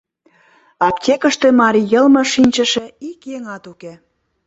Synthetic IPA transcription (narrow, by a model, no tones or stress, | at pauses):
ɑpt̪ʲekə̆ʃt̪emɑɾʲijəlmɤ̆ʃinʲt͡ɕə̆ʃe̽ikjeŋɑt̪uke